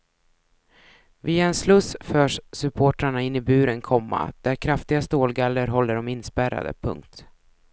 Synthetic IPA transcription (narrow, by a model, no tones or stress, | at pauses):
viːaɛnslɵsfœːʂsɵpʰoːʈɾaɳaɪnːɪbʉ̟ːɾɛnkʰɔmːa̰d̪̥æɾkʰɾaft̪ɪɡast̪oːlɡalːəɾɦɔlːəɖɔmɪnːspæɾa̰d̪ə̰pʰɵ̰ŋk̚t̪